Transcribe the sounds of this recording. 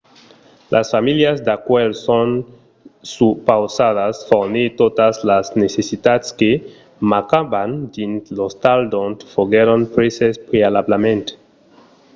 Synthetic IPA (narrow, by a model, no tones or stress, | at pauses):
lʔasfamiljazd̪akwelson | supawsaðasfoɾnit̪ot̪aslaznesesit̪at̪ske | makaband̪int̪lost̪ald̪õnt̪foɣeɾonpɾesespɾealablemẽnt̪